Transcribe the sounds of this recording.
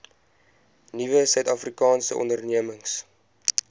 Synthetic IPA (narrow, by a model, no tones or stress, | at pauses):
nivəsœɥtɑfrikɑːnsə̰ʔɔ̰ndərniəməŋs